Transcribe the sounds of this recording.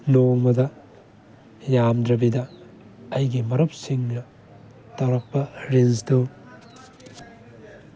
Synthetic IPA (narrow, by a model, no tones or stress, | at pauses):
noŋmɐdɐ | jamdɾɐbidɐː | jɡimɐɾup̚siŋnɐ | tɐwɾɐk̚pɐɾensdow